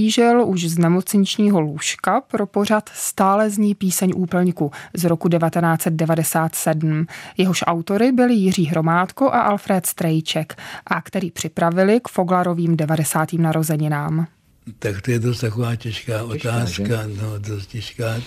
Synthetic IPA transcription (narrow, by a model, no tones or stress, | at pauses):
iːʒɛluʃznɛmo̞t͡sɲɪt͡ʃɲiːɦo̞luʃkapɾo̞po̞r̝at̪st̪aːlɛzɲiːpiːsɛɲʔuːpl̩ɲkuzɾokudɛvat̪ɛnaːt͡sɛt̪̚dɛvadɛsaːt̪sɛdm̩jɛɦoʃʔawt̪o̞ɾɪbɪlɪjɪriːɦɾo̞maːt̪ko̞ʔaʔalfɾɛːt̪st̪ɾɛjt͡ʃɛkʔakt̪ɛɾiːpr̥ɪpɾavɪlɪkfo̞ɡlaɾo̞viːmdɛvadɛsaːt̪iːmnaɾo̞zɛɲɪnaːm | t̪akt̪ojɛdost̪t̪akovaːcɛʃkaːʔot̪aːskkanodost̪cɛʃkaː